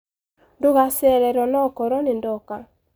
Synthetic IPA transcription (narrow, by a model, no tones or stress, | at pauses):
ndoɣasɛɾɛɾɔnɔkɔɾɔnendɔka